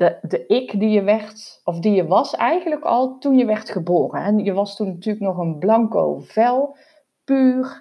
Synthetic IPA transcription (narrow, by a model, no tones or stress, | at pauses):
d̥ədəɪkdijəʋɛrtɔfdijəʋɑsɛjɣənləkɑ̰lˠtunjəʋɛrtχəboːrənɛnjəʋɑstunːatyːləknɔχənblɑŋko̰wv̥ɛlˠ | pyːr